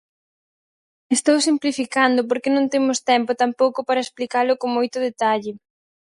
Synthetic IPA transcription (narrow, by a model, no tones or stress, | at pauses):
est̪owsimplifikand̪ʊp̬oɾkenõnt̪emʊst̪ɛmpʊt̪ampowkʊpaɾɐesplikalʊkoŋmojt̪ʊðet̪aʎɪ